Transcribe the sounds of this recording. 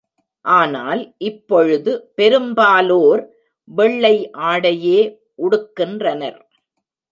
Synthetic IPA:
ʔaːna̰ːlʔɪpːɔɻɯðɯpɛɾɯmbaːloːɾ | ʋɛɭːɐɪʔaːɽɐjeː | ʔʊɽɯkːɪndrɐnɐ̰ɾ

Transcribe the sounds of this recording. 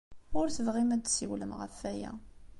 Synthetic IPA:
ʊɾθəvʁimæd̪siwləmʁə̰fːæjæ̰

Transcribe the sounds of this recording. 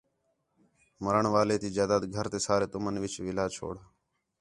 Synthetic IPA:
məɾəɳʋaːleːt̪iːd͡ʒaːd̪aːd̪ɡʱəɾt̪eːsaːɾeːt̪ʊmənʋɪt͡ʃʋɪlaːt͡ʃʰo̰ːɽaː

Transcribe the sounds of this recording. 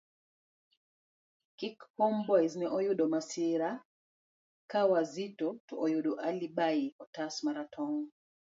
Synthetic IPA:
kikpɔmbɔjznɛʔɔjuɗɔmasiɾa | kawazitɔtoʔɔjuɗɔʔalibaiɔtasmaɾatʰɔŋɔ

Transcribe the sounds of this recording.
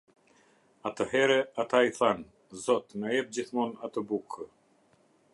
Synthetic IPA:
at̪əɦɛɾɛat̪aiθan | zɔt̪najɛp̚d͡ʑiθmɔnat̪əbukʰə

